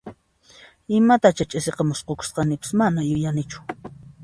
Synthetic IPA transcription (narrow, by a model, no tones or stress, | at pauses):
ɪmat̪at͡ʃat͡ʃʼɪseqɑmʊsqokʊ̥sqɑnɪpɪ̥smanajʊjanɪt͡ʃʊ̥